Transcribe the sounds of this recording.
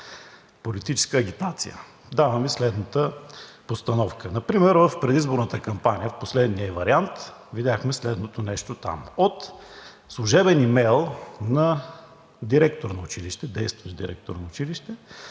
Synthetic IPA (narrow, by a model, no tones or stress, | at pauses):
polit̪it͡ʃɛ̥skəːɡ̟ʲit̪at̪sḭjə̰ | d̪avɐmislɛd̪nət̪əpost̪ɐnɔfkənɐpɾimɛɾvəfpɾɛd̪izboɾnət̪əkɐmpaniəfposlɛd̪niəɛvɐɾiant̪ | vid̪ʲaxmɛslɛd̪not̪onɛʃt̪ot̪a̰mot̪ | slˠʊʒɛbɛnimɛjlˠnɐ | d̪iɾɛkt̪oɾnɐʊt͡ʃiliʃt̪ɛd̪ɛjst̪vəʒd̪iɾɛ̰k̚t̪oɾnɐʊt͡ʃiliʃt̪ɛ